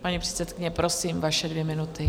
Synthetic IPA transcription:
paɲipr̥ɛt̪sɛt̪kɪɲɛpɾosiːmvaʃɛdvjɛmɪnut̪ɪ

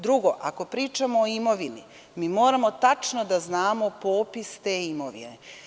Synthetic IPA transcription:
d̪ɾuɡo̞ʔako̞pɾiːt͡ʃamo̞ːimo̞ʋini | miːmo̞ːɾamo̞t̪at͡ʃnod̪aznaːmopo̞ːpist̪e̞ːimo̞ʋḭnḛ

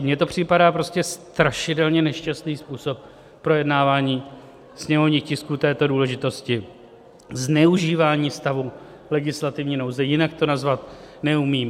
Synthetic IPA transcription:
mɲɛt̪o̞pr̝̥ɪpadaːpɾo̞scɛst̪ɾaʃɪdɛlɲɛnɛʃcast̪niːspuːso̞p̚ː | ɾo̞jɛdnaːvaːɲiː | sɲɛmovɲiːxcɪskuːt̪ɛːt̪o̞duːlɛʒɪt̪o̞scɪ | znɛuʒiːvaːɲiːst̪avu | lɛɡɪslat̪ɪvɲiːno̞wzɛjɪnak̚t̪o̞nazvat̪ | nɛumiːm

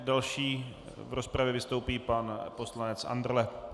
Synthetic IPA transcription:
dalʃiː | vɾospɾavjɛvɪst̪owpiːpanpo̞slanɛt͡sʔa̰nd̪r̩lɛ

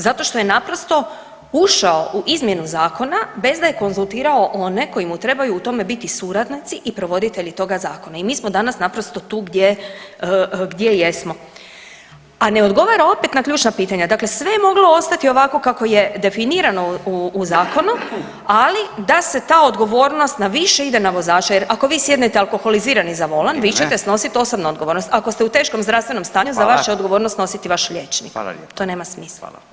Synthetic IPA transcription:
zat̪o̞ʃt̪o̞je̞napɾo̞st̪o̞ | uʃao̞ʔuʔizmje̞nuzaːko̞nabe̞zd̪aje̞ko̞nzulˠt̪iːɾaoʔo̞ne̞ko̞imut̪ɾe̞bajuːt̪o̞me̞bit̪isuːɾad̪nit̪siʔipɾo̞ʋo̞d̪it̪e̞ʎit̪o̞ɡazaːko̞naimiːsmod̪anasnapɾo̞st̪o̞t̪uːɡd̪je | ɡd̪je̞je̞smo̞ | ane̞o̞d̪ɡo̞ʋaɾao̞pet̪nakʎʲuːt͡ʃnapiːt̪aɲad̪akle̞sʋe̞jemo̞ɡlo̞o̞st̪at̪io̞ʋako̞kako̞je̞d̪e̞finiːɾanouːzaːko̞nu | alid̪ase̞t̪aːo̞d̪ɡo̞ʋo̞ːɾnost̪naʋiʃe̞id̪e̞naʋo̞zaːt͡ʃajeɾakoʋiːsjed̪net̪ealko̞xo̞liziːɾanizaʋo̞lanʋit͡ɕet̪esno̞sit̪o̞sobnuod̪̚ɡo̞ʋoɾnost̪ako̞st̪eut̪eʃko̞mzd̪ɾafst̪ʋenomst̪aːɲuzaʋaʃaod̪ɡo̞ʋo̞ːɾnost̪no̞sit̪iʋaʃʎet͡ʃnḭkt̪o̞neːmasmis

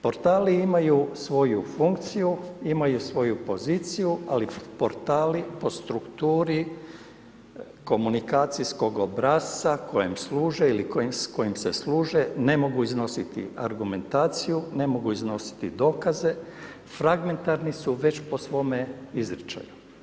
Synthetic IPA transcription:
po̞ɾt̪aːliimajusʋo̞jufuŋkt̪sijuimajusʋo̞jupo̞ziːt̪sijualipo̞ɾt̪aːlipo̞st̪ɾukt̪uːɾi | ko̞munikaːt̪sisko̞ɡobɾasakʰojimsluːʒeilikoisko̞jimsesluːʒe̞ne̞mo̞ɡuizno̞sit̪ḭa̰ɾɡume̞nt̪aːt̪sijune̞mo̞ɡuizno̞si̥t̪ḭd̪o̞ːkaze̞ | fɾaɡme̞nt̪aɾnisuʋe̞t͡ɕpo̞sʋo̞me̞izɾit͡ʃa̰ju

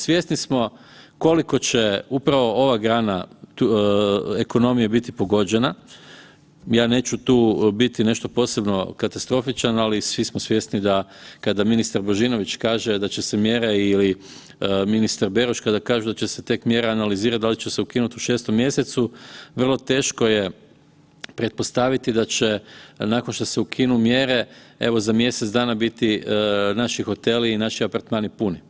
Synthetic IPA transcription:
sʋje̞snismo̞ | ko̞liko̞t͡ɕe̞upɾaʋo̞o̞ʋaɡɾaːnau | eko̞no̞mijabit̪ipo̞ɡo̞d͡ʑe̞na | jaːne̞ːt͡ʃut̪uːbit̪ine̞ʃt̪o̞po̞ːse̞bno̞kat̪ast̪ɾo̞fit͡ʃanalisʋismosʋje̞snid̪akad̪aminist̪aɾbo̞ʒino̞ʋit͡ʃkaːʒe̞d̪at͡ɕesemje̞ːɾeili | minist̪aɾbe̞ɾoʃkad̪akaːʒud̪at͡ɕe̞se̞t̪e̞kmje̞ɾeanaliziːɾat̪d̪alit͡ʃeseukinut̪uʃe̞ːst̪o̞mːje̞se̞t̪suʋr̩lˠo̞t̪e̞ːʃko̞je̞ | pɾet̪̚po̞st̪aʋit̪id̪at͡ʃe̞nako̞nʃt̪o̞seukʰinumje̞ɾe̞ḛʋo̞zamje̞set̪zd̪aːnabit̪inaʃixo̞t̪e̞liːnaʃiapaɾt̪maːnipuni

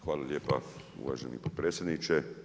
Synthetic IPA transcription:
xʋaːlalʲjeːpa | ṵʋa̰ːʒenḭpot̪̚pɾet̪sʲjed̪nit͡ʃe

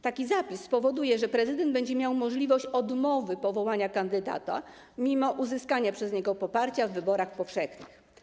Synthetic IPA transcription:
t̪akʲizapʲispɔvɔd̪ujɛʐɛpɾɛzɘd̪ɛnd̪bɛɲd͡ʑɛmʲjawmɔʐlʲivɔɕt͡ɕɔd̪mɔvɘpɔvɔwaɲakand̪ɘd̪a̰t̪a̰ | mʲimɔʔuzɘskaɲapʂɛzɲɛɡɔpɔpaɾt͡ɕavːɘbɔɾaxpɔfʂɛxɲɘ̥x

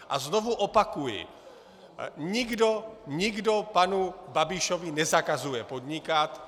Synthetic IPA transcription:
ʔa̰zno̞vuʔo̞pakujɪ̰ | ɲɪɡdoɲɪɡdo̞panubabɪʃo̞vɪnɛzakazujɛpo̞d̪ɲɪkat̪

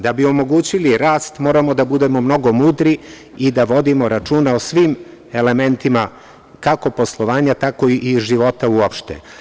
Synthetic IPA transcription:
d̪abio̞mo̞ɡuːt͡ɕiliɾaːst̪mo̞ːɾamo̞d̪abud̪e̞mo̞mno̞ɡo̞muːd̪ɾi | id̪aʋo̞d̪imo̞ɾat͡ʃuːnaosʋiːm | e̞le̞me̞nt̪ima | kako̞po̞slˠoʋaːɲat̪ako̞iʔiʒiʋo̞t̪auopʃt̪ḛ

